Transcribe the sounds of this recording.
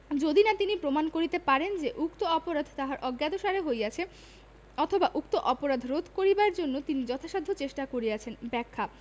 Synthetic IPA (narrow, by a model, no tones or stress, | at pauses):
d͡ʑod̪inat̪inipɾomankoɾit̪epaɾend͡ʑeʔukt̪oɔpoɾad̪ʱt̪aɦaɾʔɔɡːjad̪oʃaɾeɦojat͡ɕʰe | ɔt̪ʰobaʔukt̪oʔɔpoɾad̪ʱɾod̪ʱkoɾibaɾd͡ʑonːot̪inid͡ʑɔt̪ʰaʃad̪ʱːot͡ɕeʃʈakoɾiat͡ɕʰenbɛkʰːa